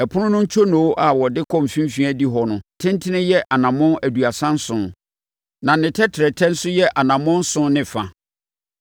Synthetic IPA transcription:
ɛ˨pʰʊ˦nʊ̃˦nʊ̃˦ɲ̩˦t͡ɕʰo˦nõ˨˦ʔa˨wɔ˨dɪ˦kʰɔ̃˦˨m˨fĩ˦m˦fĩ˦æ˦di˦ɦɔ˦nʊ̃˨tʰɪ̃˦n˦tʰɪ˦nɪ̃˦jɛ˦ʔa˨nã˨mɔ̃˦æ˨du˨a˨sã˦n̩˦sʊ̃˨n | nã˨nɪ̃˨tʰɛ˦tʰɪ˨ɾɛ˨tʰɛ̃˦n̩˦sʊ˦jɛ˦ʔa˨nã˨mɔ̃˦n̩˦sʊ̃˦n˦nɪ̃˨fa˨

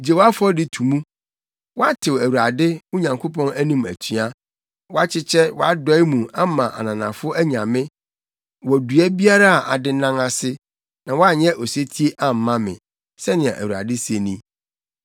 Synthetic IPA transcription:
d͡ʑe˨wa˦fʊ˦ɔ˦dɪ˨tʰu˨mũ˦ | wɔ˦a˦tʰɪ˨wæ˨wu˨ɾa˨dɪ˦ʊ˦ɲã˨ŋkʰo˦pʰɔ̃˦næ˦nĩ˨mæ̰˨tʰɥa˦ | wɔ˦a˦t͡ɕʰɪ˦t͡ɕʰɛ˦wɔ˦a˦dɔ˦ɪ˦mũ˨a˦mã˨ʔa̰˨nã˨nã̰˨fʊ˦æ˦ɲã˨mɪ̃˦ | wɔ˨du˨æ˦bi˦a˦ɾa˦a˨ʔa̰˨dɪ˦nã˦ŋa˨sɪ˦ | nã˨wɔ˦a˦˨ɲɛ̃˦ʔɔ˨se˦tʰi˦e˦ʔa˨m̩˨˦mã˦mɪ̰̃˨ | sɛ˦nɪ̃˨ɛ̰̃˨ʔæ˨wu˨ɾa̰˨dɪ˦se˨nĩ˦

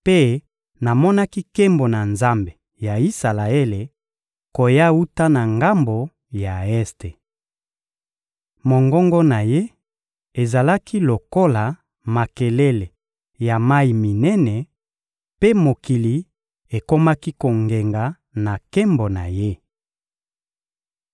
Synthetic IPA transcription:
pe˦ | na˨mɔ˦na˦ki˦ke˦mbo˨na˨nza˦mbe˨ | ja˨i˦sa˨la˨e˦le˨ | ko˨ja˦u˦ta˦na˨ŋɡa˦mbo˨ | ja˨ɛ˦ste˨ | mo˨ŋɡɔ˦ŋɡɔ˦na˨je˦ | e˨za˨la˦kʰi˦lo˨ko˦la˨ | ma˨ke˨le˦le˨ | ja˨ma˦i˨mi˨nɛ˦nɛ˨ | pe˦mo˨ki˨li˨ | e˨ko˦ma˦ki˦ko˨ŋɡe˨ŋɡa˨ | na˨ke˦mbo˨na̰˨je˦

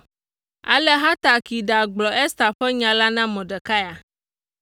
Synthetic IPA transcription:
a̰˨lɛ˦ɦa˦t̪a˨ki˨ɖa˨ɡ͡blɔ˨ʔɛ˦st̪a˨ɸɛ˦ɲã˨la˦nã˦mɔ̃˨ɖɛ˨ka˦ja˨

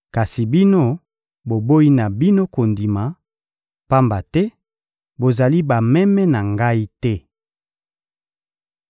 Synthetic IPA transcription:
ka˨si˨bi˦no˦ | bo˨bo˦i˦na˨bi˦no˦ko˨ndi˨ma˨ | pa˦mba˨tɛ˦ | bo˨za˨li˦ba˨mɛ˦mɛ˦na˨ŋɡa˦i˦tɛ˦

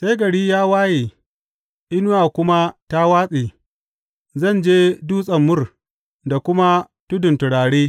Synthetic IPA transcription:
se˦jɡɐ˨ɽiː˦jaː˦waː˦jeː˨ | ʔɪ˦nʊ˦waː˨kʷʊ˦ma˦ta˦waː˦sʼeː˨ | zɐ˦˨nd͡ʒeː˦duː˦sʼɐ˨mːʊ˦r | da˨kʷʊ˦ma˦ | tʊ˦dʊ˨ntʊ˨ɽaː˨ɽeː˦

